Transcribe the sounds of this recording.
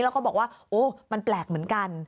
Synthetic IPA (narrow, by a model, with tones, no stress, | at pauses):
lːwkɔ˥˩bɔː˨˩k̚waː˥˩ʔoː˧˩ma˧nplɛː˨˩k̚mɯ˩˦ənka˧n